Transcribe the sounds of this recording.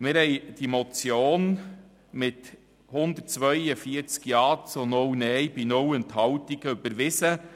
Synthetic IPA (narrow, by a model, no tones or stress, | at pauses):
mɪɾhɛɪd̥imɔt͡sjoːn | mɪt | hʊnd̪ət̚t͡sʋœʏjəfiəɾt͡skjɑːt͡sonownɛjbinʊwənt̪hɑwtiɡ̥əøbəɾʋɪsə